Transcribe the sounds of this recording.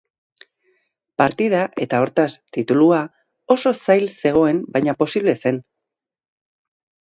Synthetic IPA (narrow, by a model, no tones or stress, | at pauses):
paɾt̪iðaʔe̞t̪ao̞ɾt̪ast̪it̪ulua | o̞so̞sajlse̞ɣ̞o̞e̞mbajɲapo̞siβle̞se̞n